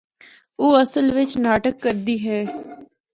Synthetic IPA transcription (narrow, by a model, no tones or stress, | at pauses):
oːəsəlʋɪt͡ʃnaːʈəkːəɾd̪iːɦɛː